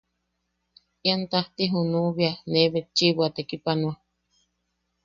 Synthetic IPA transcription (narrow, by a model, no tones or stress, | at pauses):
iant̪aht̪iɦunuβianeβet͡ʃiβʷat̪ekipanua